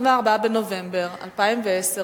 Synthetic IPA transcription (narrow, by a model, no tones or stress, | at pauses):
veaʁbabeno̞ve̞mbe̞ʁa̰lpaimveese